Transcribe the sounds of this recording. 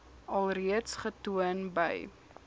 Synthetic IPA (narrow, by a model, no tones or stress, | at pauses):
ɐlˠriətsχətuənbə̰j